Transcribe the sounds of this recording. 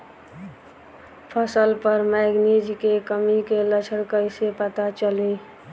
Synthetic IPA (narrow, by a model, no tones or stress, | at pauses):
pʰəsəlpəɾmɛɡnid͡ʒkekəmikelət͡ʃʰəɽkəɪsepət̪at͡ʃəli